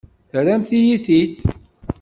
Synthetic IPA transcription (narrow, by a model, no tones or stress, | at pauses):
θɾæmθijiθit̪